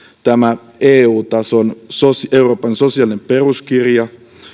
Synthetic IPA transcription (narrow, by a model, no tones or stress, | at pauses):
t̪æmæ | eːuːt̪ɑsonsoseuro̞ːpɑnso̞siɑlinempe̞ruskirjɑ